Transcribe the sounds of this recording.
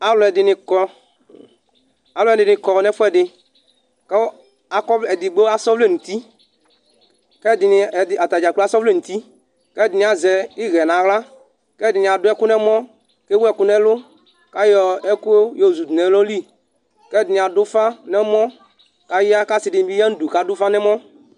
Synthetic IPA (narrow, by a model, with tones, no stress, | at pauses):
a˦lɔ˨ɛ˨dɪ˨nɪ̃˨kɔ˦ | a˨lɔ˦ɛ˨dɪ˨nɪ̃˨kɔ˨nɛ̃˦fo˦ɛ˦ɖɪ˨ | ke˦ | a˨kɔ˦e˨d̪i˨ɡ͡be˦a˦sɔ˦vle˦˨nũ˨t̪i˦ | kɛ˦˨dɪ˨ni˨da˨t̪a˨d͡ʒa˨k͡plo˦a˦sɔ˦vle˦˨n̩ũ˨t̪i˦ | kɛ˦˨dɪ˨nĩ˨a˨zɛ˨i˦ɣɛ˨nã˨ɣla˦ | kɛ˦˨dɪ˨nĩ˨a˨dʊ˦ɛ˦kʊ˦nɛ̃˦mɔ̃˦ | ke˦wu˦ɛ˨kʊ˦nɛ̃˦lʊ˦ | ka˦jɔ˨ɛ˦ku˦o˦jo˦˨zu˨d̪u˨nɛ̃˨˦lɔ˦li˦ | kɛ˦˨dɪ˨nĩ˨a˨dʊ˦fa˦nɛ̃˦mɔ̃˦ | ka˦ji˦a˦ka˦si˨dɪ˨n˨˦bi˦a˦n̩˦du˨ka˨dʊ˦fa˦nɛ̃˦mɔ̃˦